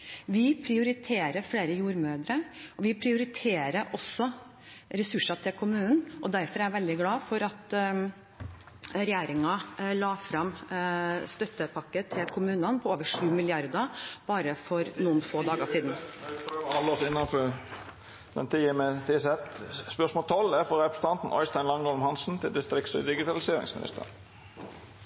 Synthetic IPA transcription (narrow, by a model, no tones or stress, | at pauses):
ʋɪpʰɾɪʊɾɪt̪ʰeːɾəfɽeːɾəjuːɾmøːd̪ɾəɔʋɪpʰɾɪʊɾɪt̪ʰeːɾəʔɔsːɔ | ɾɛsʉʂɑt̪ʰɪlkʰʊmʉːnn̩ʔɔd̪æɾfɔɾɛʋɛld̪ɪɡlɑːfɔɾɑt̪ | ɾɛjeːɾɪŋɑlɑːfɾɑm | st̪œt̪ːəpʰɑkːət̪ʰɪlkʰʊmʉːnɑnpʰɔoːʋəʂʉːmɪlɪɑɾd̪əb̥ɑːɾəfɔɾnuːənfoːd̪ɑːɡəʂiːd̪n̩ | ɑlɔsɪnːɑnfø | d̪ɛ̰nt̪ʰiːəmɛt̪ʰisɛt̪spœʂmɔːlt̪ʰɔlːæfɔɾɛpɾəsə̥t̪ʰɑnt̪n̩ʔɔ̰ʏst̪æɪnlɑŋoːlmhɑnsn̩t̪ʰɪld̪ɪst̪ɾɪk̪sɔɪd̪ɪɡɪt̪ʰɑlɪseːɾɪ̰ŋsmɪnɪ̰st̪ʰə̰ɾ